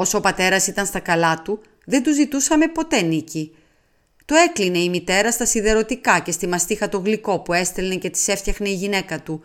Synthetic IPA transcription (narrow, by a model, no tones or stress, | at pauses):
o̞sopɐt̪e̞ɾɐsit̪ɐnst̪ɐkɐlɐt̪u | ðend̪uzit̪usɐme̞po̞t̪e̞nici | t̪oe̞kline̞imit̪e̞ɾɐst̪ɐsiðe̞ɾo̞t̪ikɐce̞st̪imɐst̪ixɐt̪o̞ɣliko̞pue̞st̪elnece̞t̪i̥se̞ftθçɐxne̞iʝine̞kɐt̪u